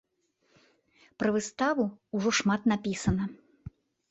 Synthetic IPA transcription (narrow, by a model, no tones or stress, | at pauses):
pɾɐvɨst̪avuuʐɔʂmat̪napʲisɐnɐ